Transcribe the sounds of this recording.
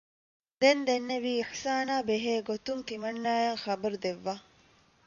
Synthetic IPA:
d̪end̪enːeʋiːiħsaːnaːbeɦeːɡot̪uŋt̪imɐnːaːjɐŋxɐbɐɾud̪eʋːaː

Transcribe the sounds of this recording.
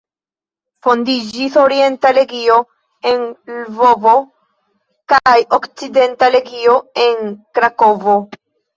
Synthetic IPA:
fo̞ndid͡ʒiso̞ɾie̞ntale̞ɡio̞ | e̞nlvo̞vo | kajokt͡side̞ntale̞ɡio̞e̞nkɾako̞vo̞

